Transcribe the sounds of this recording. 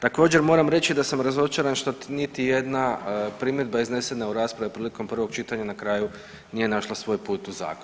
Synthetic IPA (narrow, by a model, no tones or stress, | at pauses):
t̪ako̞ːd͡ʑe̞ɾmo̞ːɾamɾe̞t͡ʃid̪asamɾazo̞t͡ʃaɾanʃt̪o̞nit̪ije̞d̪napɾimjed̪baizne̞se̞nauɾaːspɾaʋipɾiːliko̞mpr̩ʋo̞ɡt͡ʃit̪aɲanakɾaːju | nije̞naʃlˠasʋo̞ːjpuːt̪uza̰ːkon